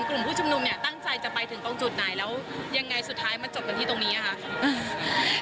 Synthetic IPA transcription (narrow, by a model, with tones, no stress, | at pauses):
klu˨˩mpʰuː˥˩t͡ɕʰu˧mnu˧mni˥˩t̪a˥˩ŋt͡ɕa˧jt͡ɕa˨˩pa˧jt̪ʰɯ˩˦ŋt̪o˧ŋt͡ɕu˨˩t̪̚naː˨˩jlɛː˦˥wja˧ŋːa˧jsu˨˩t̪ʰːaː˦˥jma˧nt͡ɕo˨˩p̚ka˧nt̪ʰiː˥˩t̪o˧ŋniː˦˥ʔa˨˩kʰa˥˩